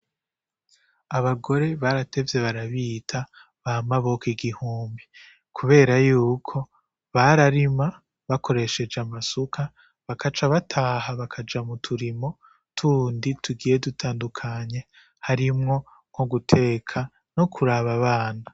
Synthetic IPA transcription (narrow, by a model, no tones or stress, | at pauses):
aβaɡo̞ɾe̞βaɾate̞vje̞βaɾaβiːtʰa | βamaβo̞kiɡihuːmbi | kʰuβe̞ːɾajuːkʰo̞ | βaɾaɾima | βakʰo̞ɾe̞ʃe̞d͡ʒamasukʰa | βakat͡ʃaβatʰaːɦaβakʰad͡ʒamutʰuɾimo̞ | tʰuːnditʰuɡiːje̞dutʰaːndukʰaɲe̞ | haɾimŋo̞ | ŋ̥ho̞ɡutʰe̞kʰa | no̞kʰuɾaβaβaːna